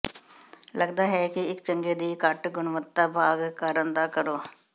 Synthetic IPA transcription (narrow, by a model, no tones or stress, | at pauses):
ləɡd̪aːɦɛːkɪɪkt͡ʃəŋɡeːd̪iːkəʈɡʊnʋət̪ːaːbʱaːɡkəɾənd̪aːkəɾoː